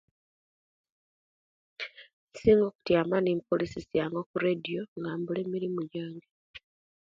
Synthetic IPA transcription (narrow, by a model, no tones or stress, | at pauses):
siːŋɡo̞ːku̥tjaːmanimpolisisijaːŋɡo̞kuɾedijo̞ŋɡaːmbule̞ːmiɾimuɟaːŋɡe